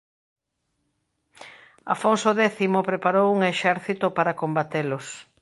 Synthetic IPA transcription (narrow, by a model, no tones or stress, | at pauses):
a̰fonsoðɛθimopɾepaɾowuŋeʃɛɾθit̪opaɾɐkombat̪elʊs